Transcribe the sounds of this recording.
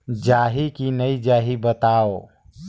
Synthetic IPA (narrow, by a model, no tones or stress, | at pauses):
d͡ʒaːɦikinəid͡ʒaːɦibət̪aːo